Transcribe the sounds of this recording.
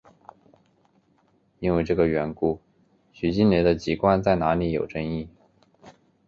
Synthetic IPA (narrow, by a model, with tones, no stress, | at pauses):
i˥nwe˥˧ɪʈ͡ʂɤ˥˩ɡə˩ɥɛ˧˥nku˥ | ɕy˨˩t͡ɕi˥˩nle˧˥d̪ə˧t͡ɕi˧˥kwa˥nt͡sa˥˩ɪna˧˥li˧˥jo˨˩ʊʈ͡ʂɤ˥ŋi˥˩